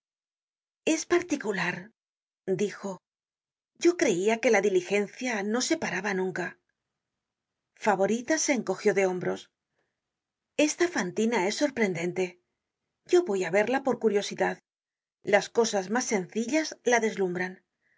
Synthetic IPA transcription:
e̞spaɾt̪ikulaɾ | d̪ixo̞ | ɟ͡ʝo̞kɾe̞iake̞laðilixe̞nθjano̞se̞paɾaβanũŋka | faβo̞ɾit̪ase̞ːŋko̞xjo̞ðe̞o̞mbɾo̞s | e̞st̪afant̪inae̞sːo̞ɾpɾe̞nd̪e̞nt̪e̞ | ɟ͡ʝo̞βo̞jaβe̞ɾlapo̞ɾkuɾjo̞siðað | lasko̞sazmasːe̞nθiʎazlaðe̞zlumbɾan

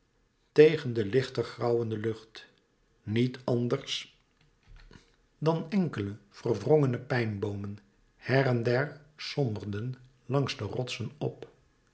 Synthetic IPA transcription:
tejχəndəlɪχtərχrɑwəndəlɵχt | nitɑndəɹs | dɑnɛŋkələv̥ərvrɔŋənəpɛjnbowmən | hɛrɛndɛɹsɔmbərdən | lɑŋzdərɔtsənɔ̰p

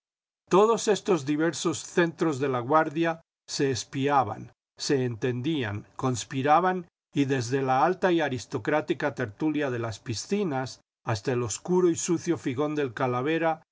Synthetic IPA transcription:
t̪o̞ðo̞se̞st̪o̞zðiβe̞ɾso̞sθe̞nt̪ɾo̞zðe̞laɣwaɾðja | se̞ːspiaβa̰n | se̞ːnt̪e̞nd̪ia̰ŋko̞nspiɾaβan | iðe̞zðe̞laalt̪aiaɾist̪o̞kɾat̪ikat̪e̞ɾt̪uljaðe̞laspisθinas | ast̪aelo̞skuɾoisuθjo̞fiɣo̞nd̪e̞lkalaβ̞e̞ɾa

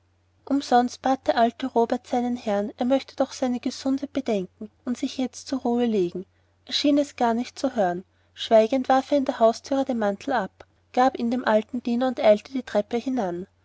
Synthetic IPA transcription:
ʔʊmzɔnst̚b̥aːt̚d̥eɐʔaltəʁoːbɛɐtsaɪnənhɛɐneːɐmœçtəd̥ɔχsaɪnəɡ̥əzʊndəb̥əd̥ɛŋkŋ̩ʔʊntsɪçjɛt͡stt͡suːʁuːəleːɡŋ̩ | ʔeːɐʃiːnɛsɡ̥aːɐnɪçt̚t͡suɦøːʁən | ʃv̥aɪɡəntv̥aɐfeɐɪndeːɐɦaʊstʰyːʁədeːmantʰl̩ap | ɡ̥aːpiːndeːmʔaltn̩d̥iːnɐʊntʔaɪltəd̥iːtʁ̥ɛpəhɪnan

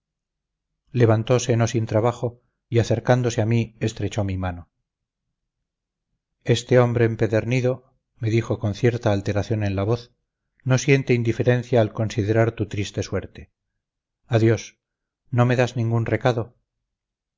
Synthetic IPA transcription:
le̞β̞ant̪o̞seno̞sint̪ɾaβaχo̞ | iaθe̞ɾkand̪o̞seamiest̪ɾe̞t͡ʃo̞mimano̞ | e̞st̪e̞o̞mbɾe̞ːmpe̞ðeɾniðo̞ | me̞ðixo̞ko̞nθje̞ɾt̪aːlt̪e̞ɾaθjo̞ne̞nlaβo̞θ | no̞sje̞nt̪eind̪ife̞ɾe̞n̟θjaːlko̞nsiðe̞ɾaɾt̪ut̪ɾist̪e̞swe̞ɾt̪e | aðjo̞s | no̞me̞ðaznĩŋɡunre̞kaðo̞

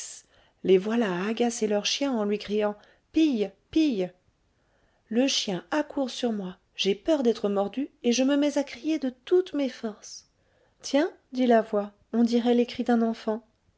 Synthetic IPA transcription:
levwalaːɡaselœʁʃjɛ̃ɑ̃lɥikχijɑ̃ | pijpij | ləʃjɛ̃akuʁsyʁmwa | ʒ̥epœʁd̪ɛt̪χəmɔʁd̪yeʒəməmɛzakχijed̪ət̪ut̪mefɔʁs | t̪jɛ̃ | d̪ilavwa | ɔ̃d̪iʁɛlekχid̪ɛ̃nɑ̃fɑ̃

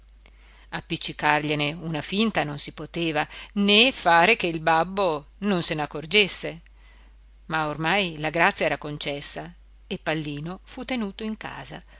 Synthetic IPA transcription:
apːit͡ʃːikarʎeneunafint̪anonsipot̪eːvanefaːɾekeilbabːononsenakːord͡ʒesːe | maormajlaɡɾat̪sːjaɛːɾakont͡ʃɛsːa | epːalːiːnofut̪ːenuːt̪oiŋka̰ːza̰

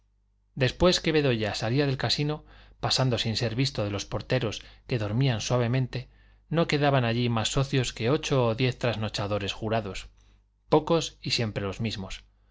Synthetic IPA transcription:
d̪e̞spwe̞ske̞βe̞ðo̞ʝasaliaðe̞lkasino̞pasand̪o̞sinse̞ɾβist̪o̞ð̞e̞lo̞spo̞ɾt̪e̞ɾo̞ske̞ðo̞ɾmianswaβe̞mẽnt̪e̞ | no̞ke̞ðaβanaʎimasːo̞θjo̞ske̞o̞t͡ʃoːðje̞θt̪ɾazno̞t͡ʃaðo̞ɾe̞sxuɾaðo̞s | po̞ko̞sisje̞mpɾe̞lo̞zmizmos

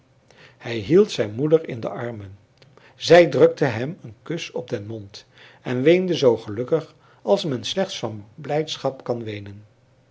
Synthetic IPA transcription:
hɛjɦilˠtsɛjnmudəɹɪ̰ndə̰ʔɑɹmən | zɛjdrɵk̚təɦɛmənkɵsɔb̚dɛnmɔnt | ɛnʋejndəzowχəlɵkəχ | ɑlˠsmɛnslɛχtsfɑnblɛjtsχɑpkɑnʋejnən

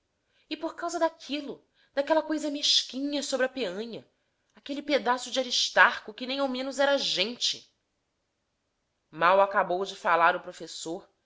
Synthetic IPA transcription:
ɪpoɾkawzɐd̪akʰilʊ | d̪akɛlɐkojzɐmeʃkĩɲɐsobɾɪɐpeɐ̃ɲɐ | akeliped̪asʊd͡ʒɪaɾiʃt̪aɾkʊkɪnẽj̃aw̃mẽnʊzɛɾɐʒẽnt͡ʃɪ | mawakabowd͡ʒɪfalaɾʊpɾofesoɾ

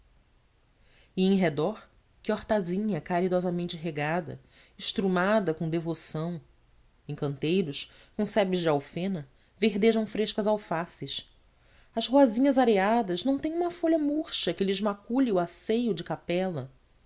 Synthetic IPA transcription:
ɪẽj̃ɦed̪ɔɾ | kɪɔɾt̪azĩɲɐkaɾid̪ɔzɐmẽnt͡ʃɪɦeɡad̪ɐ̰ | ɪʃt̪ɾumad̪ɐkõd̪evosɐ̃w̃ | ẽj̃kɐ̃nt̪ejɾʊʃ | kõsɛbɪzd͡ʒɪawfẽnɐ | veɦd̪eʒɐ̃w̃fɾeʃkɐzawfasɪʃ | ɐzhoazĩɲɐzaɾead̪ɐʒnɐ̃w̃t̪ẽj̃ũmɐfoʎɐmuɾʃɐkɪlɪʒmakuʎɪʊasejʊd͡ʒɪkapɛlɐ

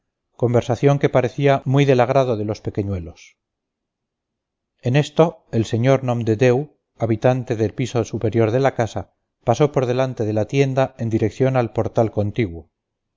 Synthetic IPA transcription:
ko̞mbe̞ɾsaθjo̞ŋke̞paɾe̞θiamwiðe̞laɣ̞ɾaðo̞ðe̞lo̞spe̞ke̞ɲwe̞lo̞s | e̞ne̞st̪o̞elseɲo̞ɾnõmd̪ed̪ew | aβit̪ant̪e̞ðe̞lpisosupe̞ɾjo̞ɾðe̞lakasa | pasopo̞ɾðe̞lant̪e̞ðe̞lat̪je̞nd̪ae̞nd̪iɾe̞kθjo̞nalpo̞ɾt̪alko̞nt̪iɣwo

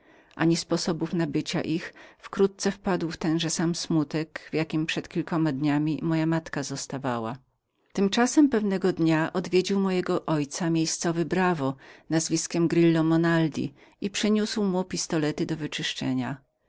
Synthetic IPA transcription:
ʔa̰ɲispɔsɔbufnabɘt͡ɕa̰ʔixfkɾut̪̚t̪sɛfpad̪wft̪ɛnʐɛsamsmut̪ɛkvjakʲimpʂɛt̪kʲilkɔmad̪ɲamʲimɔjamat̪kazɔst̪avawa̰ | t̪ɘmt͡ʂasɛmpɛvnɛɡɔd̪ɲaʔɔd̪vʲjed͡ʑiwmɔjɛɡɔʔɔjt̪samʲjejst̪sɔvɘbɾavɔnazvʲiskʲɛmɡɾilːɔmɔnald̪ʲḭ | ipʂɘɲuswmupʲist̪ɔlɛt̪ɘd̪ɔvɘt͡ʂɘʂt͡ʂɛ̰ɲa

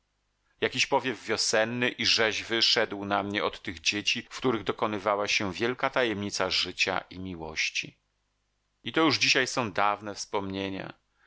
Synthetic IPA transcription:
jakʲiɕpɔvʲjɛvvʲjɔsɛnːɘʔiʐɛʑvɘʂɛd̪wnamɲɛɔt̪ːɘɣd͡ʑet͡ɕifkt̪uɾɘɣd̪ɔkɔnɘvawaɕɛvʲjɛlkat̪ajɛmɲit̪saʐɘt͡ɕa̰ʔimʲiwɔ̰ɕt͡ɕi | it̪ɔjuʐd͡ʑiɕajsɔ̃w̃d̪avnɛfspɔmɲeɲa̰

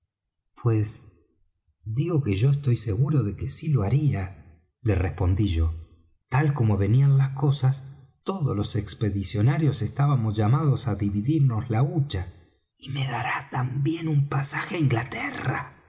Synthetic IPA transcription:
pwes | d̪iɣo̞keʒo̞est̪o̞jse̞ɣuɾo̞ðe̞kesiloaɾia | lerespo̞nd̪iʒo̞ | t̪alko̞mo̞βe̞nianlasko̞sas | t̪oðozlo̞sekspe̞ðisjo̞naɾjo̞se̞st̪aβamozʒamaðosaðiβiðiɾno̞zlaut͡ʃa | imeðaɾat̪ambje̞numpasaxeiŋɡlat̪era̰

